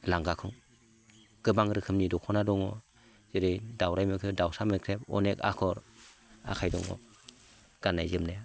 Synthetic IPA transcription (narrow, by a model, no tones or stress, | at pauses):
laŋɡakʰɯŋ | ɡ̥ɯbaŋɾɯkʰɯmnidɔkʰɔnadɔŋɔ | z̥eɾɯjdawɾajmɯkʰɯdawsamɯkʰɾepɔ̰neka̰kʰɔɾa̰kʰajdɔ̰ŋɔ̰ | ɡ̥anːajzɯmnaj